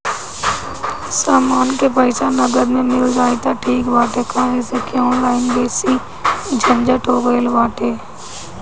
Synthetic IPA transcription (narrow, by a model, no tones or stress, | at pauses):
saːmaːnkepəɪsanɐɡəd̪mẽmɪld͡ʒaːit̪aʈʰiːkʋaːʈekʰaːesekʰeɔːnlaːɪnbeːsi | d͡ʒʱɐ̃nd͡ʒəʈoːɡeːlʋaːʈeː